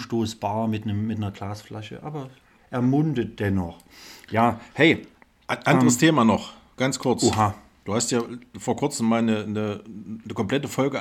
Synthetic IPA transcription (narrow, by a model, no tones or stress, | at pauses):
ʃtoːsb̥aːɐmɪtnəmmɪtnɐɡ̥laːsflaʃə̰ʔa̰ːbɐ | ʔɛɐmʊndət̚d̥ɛnɔχ | jaːhɛɪ | ʔanʔandəʁəstʰeːmaːnɔχ | ɡ̥ant͡skʰʊɐt͡suɦa | d̥uːhastjaːfoːɐkʰʊɐt͡səmːaːlnənənəkʰɔmpl̥ɛtəfɔlɡə